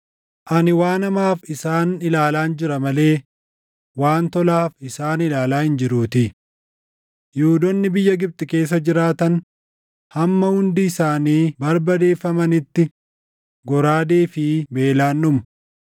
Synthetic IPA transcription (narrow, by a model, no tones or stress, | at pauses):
ʔɐnɪwaːnɐmaːfɪsaːnɪlaːlaːnd͡ʒɪɾɐmɐle̞ː | waːnt̪ɔlaːfɪsaːnɪlaːlaːhɪnd͡ʒɪɾuːt̪ɪ | juːd̪ɔnːɪbɪjːɐɡɪb̚t̪ʼɪke̞ːs̬ːɐd͡ʒɪɾaːt̪ɐn | hɐmːɐhʊnd̪ɪːsaːniːbɐɾbɐd̪e̞ːfːɐmɐnɪt̪ːɪ | ɡɔɾaːd̪eːfɪbe̞ːlaːnːʊm